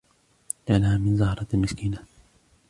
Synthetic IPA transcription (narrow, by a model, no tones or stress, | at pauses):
ʔanahaːmɪnzɑhɾˤɑlmɪskiːna